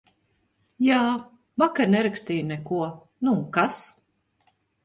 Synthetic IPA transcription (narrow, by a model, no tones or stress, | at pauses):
jaː | vakaɾnɛɾaksʲt̪iːjnɛkuɔ | nukas